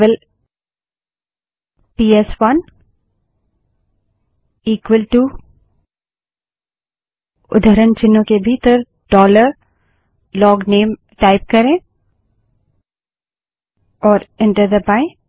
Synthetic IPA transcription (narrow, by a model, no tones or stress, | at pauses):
əl | piːɛsʋɐn | iːkwəlʈu | ʊ̰d̪ʱəɾənt͡ʃɪnːõkebʱiːt̪əɾ | ɖɔːləɾ | lɔːɡneːm | ʈaːɪp̚kɐɾẽː | ɔːɾɪ̃ɳʈəɾd̪əbaːɪ̃